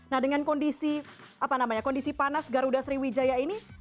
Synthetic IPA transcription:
nahdəŋankɔndisi | apanamaɲakɔndisipanasɡaɾudasɾiwid͡ʒajaini

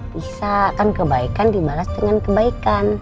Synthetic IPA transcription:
bisaːkankəbaikandibalasdəŋankəbaikan

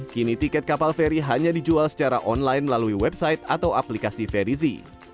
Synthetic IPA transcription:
kinit̪ikɛt̪̚kapalfɛɾiɦaɲadid͡ʒualsə̥t͡ʃaɾa̰ʔɔnlajnməlaluiwɛbsajt̪at̪awaplikasifɛɾizḭ

